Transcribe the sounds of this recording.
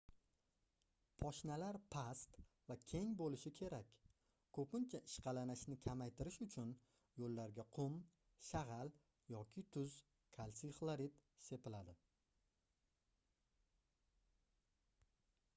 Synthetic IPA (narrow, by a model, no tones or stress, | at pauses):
pʰɒʃnalaɾpʰast̪ | vakʲʰe̞ŋbolɪʃɪkʲʰe̞ɾakʲ | kʰɵpɪnt͡ʃʰaʔɪʃqɑlanaʃnɪkʲʰamajt̪ʰɪɾɪʃʊt͡ʃʰʊn | jolːaɾɡʲaqʰʊm | ʃaʁal | jɒkʲʰɪt̪ʰʊz | kʰalsiχlˠaɾit̪se̞pɪlad̪ɪ